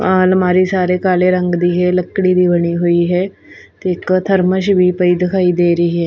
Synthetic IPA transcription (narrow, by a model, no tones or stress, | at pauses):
ləmaːɾiːsaːɾeːkaːleːɾə̃ŋɡd̪iːɦɛːləkːɽiːd̪iːbəɽ̃iːɦoːiːɦɛː | t̪eːɪkt̪ʰəɾməʃbʱiːpəiːd̪ɪkʰaːiːd̪eːɾəiːɦɛː